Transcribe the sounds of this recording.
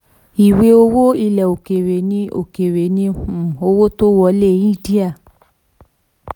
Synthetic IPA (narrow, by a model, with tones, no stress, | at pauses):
i˨we˨˧˦o˧wo˦i˧lɛ˨o˨ke˨ɾe˨nĩ˧o̰˨ke˨ɾe˨nĩ˧ũ˨o˧wo˦to˦wɔ˧le˦˨˦i˦˨di˦a˦˨